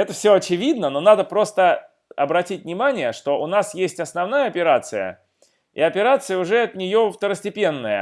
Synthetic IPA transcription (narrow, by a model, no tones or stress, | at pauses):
ɛt̪əfsʲoɐt͡ɕɪvʲid̪nəno̞nad̪əpɾo̞st̪ə | ɐbɾɐtʲitʲnʲɪmanʲɪjəʂt̪o̞ʔʊnasjesʲtʲɐsnɐvn̪ajəɐpʲɪɾat̪sɨjə̰ | ḭɐpʲɪɾat̪sɨjəʊʐɛɐt̪nʲɪjo̞ft̪əɾəsʲtʲɪpʲe̞nːəjə̰